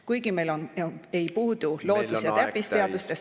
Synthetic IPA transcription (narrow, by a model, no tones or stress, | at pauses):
kujɡime̞jlone̞jpuːd̪̥ulo̞ːd̪usjɑt̪æpːˑist̪eɑd̪̥ust̪es